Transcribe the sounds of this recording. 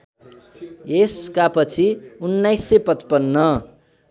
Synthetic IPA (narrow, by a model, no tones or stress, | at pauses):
eskapʌt͡sʰiunːajsːʌpʌt͡spʌnːʌ